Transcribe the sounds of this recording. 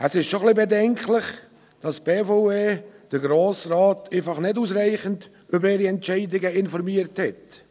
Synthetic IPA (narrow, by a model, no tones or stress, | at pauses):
ɛsɪʃtʃoχlibedɛŋklɪχ | d̥ɑsb̥eːfoeːd̥əɾɡɾoːsraːtʰeːfɑχnɪduːsɾæɪχənd | ʏbəɾeːɾiɛntt͡ʃɛɪdɪɡəɪnfɔɾmiəɾthɛt